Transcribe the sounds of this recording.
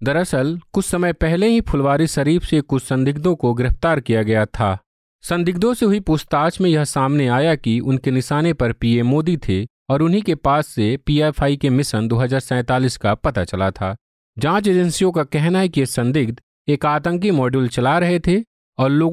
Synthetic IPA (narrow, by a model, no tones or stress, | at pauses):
d̪ɐɾɐsəlkʊt͡ʃʰsɐməjpɛɦleɦĩpʰʊlʋaːɾiʃɐɾiːfsekʊt͡ʃʰsɐ̃nd̪ɪɡ̚d̪õkoɡɪɾɪft̪aːɾkijaɡɐjat̪ʰaː | sɐ̃nd̪ɪɡd̪õseɦʊipʊːst̪aːt͡ʃmẽjɐɦsaːmneaːjakiʊnkenɪʃaːnepɐɾpiːemoːd̪it̪ʰe | ɔːɾʊnɦikepaːsːepiːaːfʰaːikemɪsənd̪oːɦɐzaːɾsɛ̃ːt̪aːliːskapɐt̪at͡ʃɐlat̪ʰaː | d͡ʒãːt͡ʃed͡ʒənsijõkakɛɦnaɦɛkijesɐ̃nd̪ɪɡd̪ | eːkaːt̪ə̃ŋk̬imɔːɖult͡ʃɐlaɾɐɦet̪ʰe | ɔːɾloː